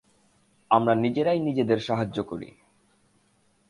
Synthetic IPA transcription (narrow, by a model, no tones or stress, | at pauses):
amɾanid͡ʑeɾajnid͡ʑed̪eɾʃaɦad͡ʑokoɾḭ